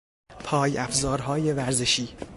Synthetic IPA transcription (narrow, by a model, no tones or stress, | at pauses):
pʰɒːjæfzɒːɾɦɒːjevæɾzeʃiː